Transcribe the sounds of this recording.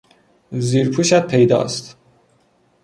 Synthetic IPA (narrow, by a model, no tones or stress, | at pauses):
ziːɾpʰuːʃæt̪̚pʰejd̪ɒ̰ːst̪